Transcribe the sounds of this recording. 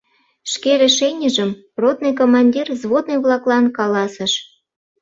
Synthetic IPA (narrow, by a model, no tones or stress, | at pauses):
ʃkeɾĕʃenʲəʒəm | rot̪̚nɨjkomɑnʲdʲirzβod̪nɨjβlɑklɑnkɑlɑsə̆ʃ